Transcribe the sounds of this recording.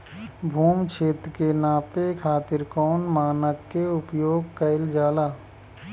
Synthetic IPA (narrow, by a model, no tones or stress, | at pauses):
bʱuːmt͡ʃʰeːt̪ɾkenaːpekʰaːt̪ɪɾkɔːnmaːnəkːeʊpjoːɡ̚kəɪld͡ʒaːlaː